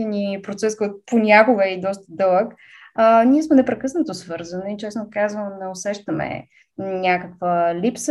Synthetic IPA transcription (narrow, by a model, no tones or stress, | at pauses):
ɛnipɾot̪sɛskɔjt̪ʊ̥ponʲakoɡəɛid̪ɔst̪əd̪ɤlˠək | əniɛsmɛnɛpɾɛkɤsnət̪osvɤɾzəniit͡ʃɛsnokazvənnɛosɛʃt̪əmɛ̰ | nʲakəkvəlips